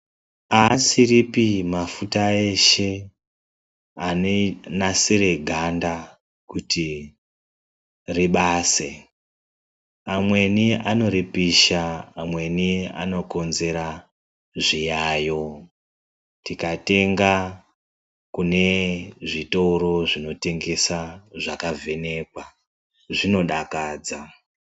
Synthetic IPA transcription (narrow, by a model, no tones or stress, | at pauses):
asiripimafutae̞ʃe̞ | anenasire̞ɡʱanda | kuti | riɓaːse | amwe̞niano̞ɾipiʃaːmwe̞nia̰no̞ko̞nze̞ɾa | ʐijajo̞ | tikate̞ŋɡa | kune̞ʐitouɾo̞ʐino̞te̞ŋɡe̞saʐakavʱe̞ne̞kwa | ʐino̞ɗakaːd͡za